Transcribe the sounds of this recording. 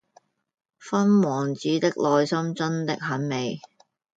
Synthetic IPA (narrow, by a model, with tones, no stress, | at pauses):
fɐ˥nwɔː˨˩ŋt͡siː˨˥t̪ɪ˥k̚lɔː˧jsɐ˥mt͡sɐ˥nt̪ɪ˥k̚hɐ˨˥nme˨˧j